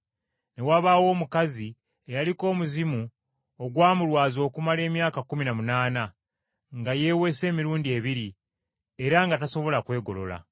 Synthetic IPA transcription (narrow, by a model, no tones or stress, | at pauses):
ne̞waβaːwo̞ːmukazi | ejaliko̞ːmuzimu | o̞ɡwaːmulwaːzo̞ːkumale̞ːmjaːkakuminamunaːna | ŋɡaje̞ːwe̞se̞ːmiɾuːndie̞βiɾi | e̞ɾaŋɡataso̞βo̞lakwe̞ːɡo̞lo̞̰la̰